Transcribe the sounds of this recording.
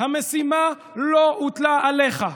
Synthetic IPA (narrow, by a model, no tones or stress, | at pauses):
hame̞sima | loʔut̪laːle̞χa